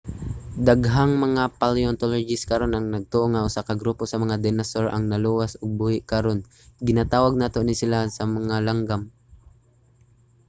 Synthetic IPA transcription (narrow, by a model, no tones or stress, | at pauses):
d̪aɡɦaŋmɐŋapaliont̪olod͡ʒɪskɐɾo̞nɐŋnɐɡ̚t̪oʔoŋaʔʊsaːkɐɡɾuːposɐmɐŋad̪ɛnɐsoɹʔɐ̰ŋnɐluːwasoɡ̚buːhɪʔkɐɾon | ɡɪnat̪aːwaɡ̚naːt̪o̞nɪsɪlasɐmɐŋalaŋɡam